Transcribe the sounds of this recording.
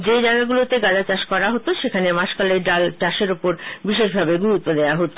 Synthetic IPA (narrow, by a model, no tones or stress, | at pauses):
d͡ʑed͡ʑaɡaɡulot̪eɡadat͡ɕaʃkɔɾaɦot̪oʃekʰanemaʃkaleɾɖalt͡ɕaʃeɾopoɾbiʃeʃbʱabeɡuɾut̪̚od̪eaɦot̪o